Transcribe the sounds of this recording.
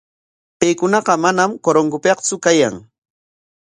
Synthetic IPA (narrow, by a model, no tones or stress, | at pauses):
pejkʊnɑqɑmanamkoɾoŋɡʊpeqt͡sʊkaja̰ŋ